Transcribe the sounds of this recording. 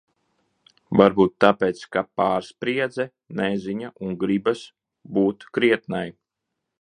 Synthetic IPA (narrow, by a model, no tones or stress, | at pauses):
vaɾbuːt̪ːapeːt̪skapaːɾspɾiɛd̪zɛ | nɛziɲaʔuŋɡɾibas | buːt̪kɾiɛt̪naj